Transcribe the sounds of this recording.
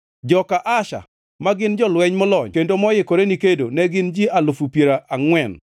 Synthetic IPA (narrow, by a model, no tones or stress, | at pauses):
d͡ʒɔkaʔaʃa̰ | maɡɪnd͡ʒɔlwɛɲmɔlɔɲkendomɔjɪkoɾenikedonɛɡɪnd͡ʒialʊfupjeɾaʔaŋwɛn